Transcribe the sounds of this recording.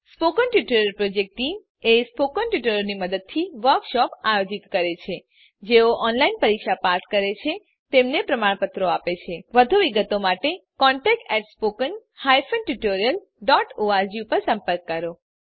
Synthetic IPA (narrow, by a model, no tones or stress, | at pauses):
spokənʈuʈoɾjəlpɾod͡ʒek̚ʈim | espokənʈuʈoɾjəlniməd̪əd̪̚t̪ʰiʋəɾkʃɔpajod͡ʒit̪kəɾet͡ʃʰe | d͡ʒeoʔɔnlainpəɾikʃapat̪kəɾet͡ʃʰe | t̪emnepɾəmaɽpət̪ɾoapet͡ʃʰeʋəd̪ʱuʋiɡət̪omaʈekɔ̃ɳʈɛk̚ʈɛʈspokənhajfənʈuʈoɾiəl | ɖɔʈoaɾd͡ʒipəɾsə̃mpəɾkːəɾo